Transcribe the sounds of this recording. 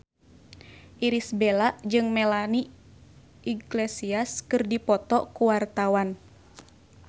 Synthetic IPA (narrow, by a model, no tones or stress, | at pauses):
ʔiɾisbelaʔd͡ʒɨŋmɛlani | iɡlesiaskɨrdipɔt̪ɔkuwart̪awan